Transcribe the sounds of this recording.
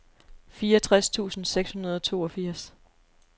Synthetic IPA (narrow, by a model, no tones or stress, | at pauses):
fiːɒt͡sʰʁast͡sʰṵːsn̩seɡ̥shunɐð̞ˠɒt͡sʰo̝ːɒ̽fiɐ̰s